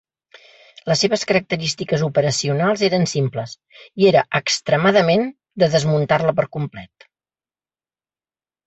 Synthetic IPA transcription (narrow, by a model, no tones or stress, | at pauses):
ləsːeβəskəɾək̚t̪əɾist̪ikəzupəɾəsiunalˠzeɾənsimpləs | ieɾəʔəkst̪ɾəmaðəmen | d̪əðəzmunt̪arləpəɾkumplɛ̰t̪̚